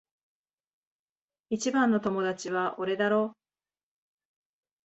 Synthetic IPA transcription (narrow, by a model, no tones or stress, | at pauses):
it͡ɕibãnːo̞t̪o̞mo̞d̪at͡ɕiβaʔoɾe̞d̪aɾo̞ː